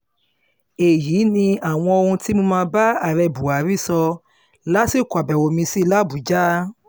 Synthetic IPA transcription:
e˨jiː˨˦nĩ˧a˨w̃ɔ̃˧o˧hũ˧ti˦mõ˧mãː˧ba˦a˨ɾɛ˧bu˨a˨ɾi˦˨sɔ˧ | la˦si˦˨ku˨a˨bɛ˨wo˨mĩ˧si˦la˦˨bu˨d͡ʒa˦

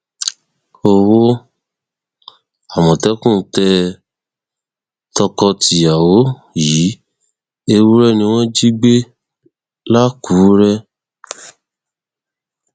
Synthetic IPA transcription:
o˧wo˦ | a˨mɔ̃˨tɛ˨˦kũ˦˨tɛ˧ | tɔ˧kɔ˧ti˨ja˨wo˨˦ji˨˦ | e˧wu˦ɾɛ˦˨nĩ˧w̃ɔ̃˦d͡ʒi˦ɡ͡be˦ | la˦ku˨˦ɾɛ˦

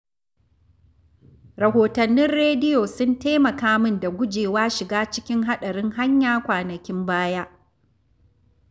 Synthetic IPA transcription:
ɾɐ˨hoː˨tɐ˨nːɪ˦nɾeː˦dɪ˦jo˨sʊ˦nteː˦mɐ˨kaː˦mɪ˦nda˨ɡʷʊ˦d͡ʒeː˨waː˦ʃɪ˨ɡaː˦t͡ʃɪ˦kʲɪ˦ŋɦa˦ɗɐ˨ɽɪ˦ŋɦa˦ɲjaː˦kʷaː˨nɐ˨kʲɪ˦mbaː˦jaː˦

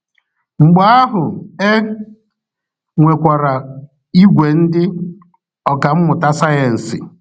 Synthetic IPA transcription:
ŋ͡m̩˨ɡ͡ba˦a˦ɦʊ˨e˦ | ŋʷe˨kʷa˨ɾa˨ | i˦ɡʷe˨n̩˦dɪ˦ | ɔ˨ka˨m̩˦mʊ˨ta˦sa˦je˨n̩˨sɪ̰˨

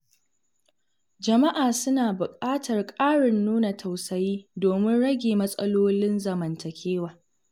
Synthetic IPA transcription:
d͡ʒɐ˨ma˦ʔaː˨sʊ˦naː˨bʊ˨kʼaː˦tɐ˨rkʼaː˦ɽɪ˨nːuː˦na˨tʰa˨wsɐ˨jiː˦doː˨mɪ˦nɽɐ˦ɡʲeː˨mɐ˦sʼɐ̰˦loː˦lɪ˦nzɐ˨mɐ˨ntɐ˨kʲʰeː˦waː˨

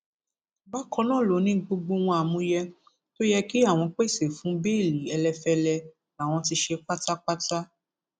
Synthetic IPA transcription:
ba˦kɔ̃˧nãː˦˨lo˨˦nĩ˦ɡ͡bo˧ɡ͡bo˧w̃ɔ̃˧a˨mũ˧˦jɛ˧ | to˦jɛ˦ki˦a˦˨w̃ɔ̃˧k͡pe˦˨se˨fũ˦be˦˨li˨ɛ˧lɛ˧fɛ˧lɛ˧ | a˨w̃ɔ̃˧ti˧ʃe˧k͡pa˦ta˦k͡pa˦ta˦

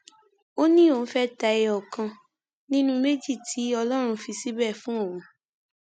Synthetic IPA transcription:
o˦nĩ˦o˨ñ̩˦fɛ˦ta˧ɛ˧ɔ˨kã˧ | nĩ˦nũ˦me˦d͡ʒi˦˨tʰi˨˦ɔ˧lɔ˦ɾ̃ũ˧fi˧si˦bɛ˦˨fũ˦ɔ˦˨wũ˨

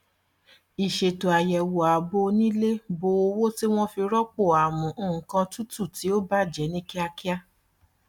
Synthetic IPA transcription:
i˨ʃe˨to˨a˨jɛ˨wo˨a˨bo˦nĩ˦le˦bo˧˦o˧wo˦ti˦w̃ɔ̃˦fi˧ɾɔ˦k͡po˦˨a˨mũ˨˦ũ˦˨˦kã˧tu˦tu˦˨ti˨˦o˦ba˦˨d͡ʒɛ˨˦nĩ˦ki˦a˧ki˦a˦

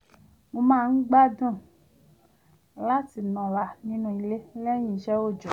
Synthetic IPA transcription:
mo˧mãː˦˨n̩˦ɡ͡ba˦dũ˦˨ | la˦ti˨nɔ̃˨la˨nĩ˦nũ˧i˧le˦lɛ˦ɲ̃ĩ˧˨˦ʃɛ˦wo˦˨d͡ʒɔ˨

